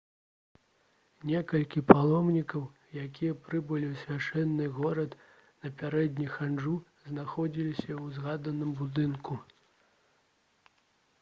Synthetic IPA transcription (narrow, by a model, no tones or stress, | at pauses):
nʲɛkɐlʲkʲipalˠɔmnʲikɐw | jakʲijɐpɾɨbɨlʲiwsʲvʲaʂɛnːɨɣɔɾɐt̪ | nɐpʲaɾɛd̪ʲnʲixanʐu | znaxɔd͡zʲilʲisʲɐwzɣad̪ɐnɨmbud̪ɨnku